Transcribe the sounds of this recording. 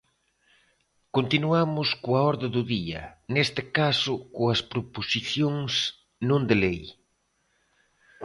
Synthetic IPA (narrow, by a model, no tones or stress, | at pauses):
kont̪inuamʊskoɐɔɾðɪðʊðiɐ̰nest̪ɪkasʊkoɐspɾoposiθjoŋs | nõnd̪elej